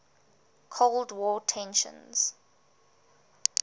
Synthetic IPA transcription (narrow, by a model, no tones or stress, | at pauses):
kʰoldwɔtʰɛ̃nʃə̰̃nz̥